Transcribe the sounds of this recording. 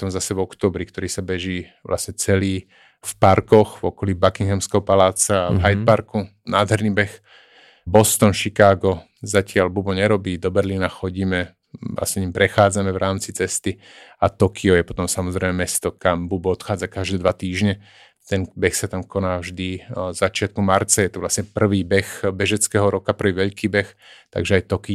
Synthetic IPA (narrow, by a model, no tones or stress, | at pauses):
ɔ̥t̪ɔmzasɛvɔkt̪ɔːbɾikt̪ɔɾiːsabɛʒiː | ʋlʔa̰sɲɛt͡sɛliː | fpaɾkɔxvɔkɔlibakiŋɦɛmskɛɦɔpalaːt͡saːvɦajt̪paɾkunaːd̪ɦɛɾniːbɛx | bɔst̪ɔnʃikaːɡɔ | zacɪalbubɔɲɛɾɔbiːd̪ɔbɛɾlinaxɔɟiːmɛ | la̰sɲɛɲimpɾɛxaːd͡zamɛʋɾaːmt͡sit͡sɛst̪i | at̪ɔkʰiɔjɛpɔt̪ɔmsamɔzɾɛɪmɛmɛst̪ɔkambubɔɔt̪xaːd͡zakaʒd̪ɛːd̪ʋat̪iːʒɲɛ | t̪ɛnbɛxsat̪amkɔnaːvʒd̪izat͡ʃɪat̪̚kumaɾt͡sajɛt̪ɔʋlasɲɛpr̩ʋiːbɛxbɛʒɛt͡skɛːɦɔɾɔkapr̩ʋiːʋɛʎkiːbɛx | t̪a̰ɡʒɛajt̪ɔki